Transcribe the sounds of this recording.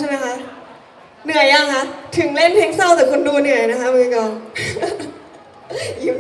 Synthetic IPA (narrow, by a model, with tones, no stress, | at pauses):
ma˦˥kʰa˦˥ʔ | nɯ˨˩əjla˧˩ŋkʰa˦˥t̪ʰɯ˨˩˦ŋle˥˩npʰe˦˥k̚sa˥˩wt͡ɕaː˨˩kʰo˧nduː˧nɯ˨˩əjna˦˥kʰa˦˥mɯː˧kɔː˨˩n | i˦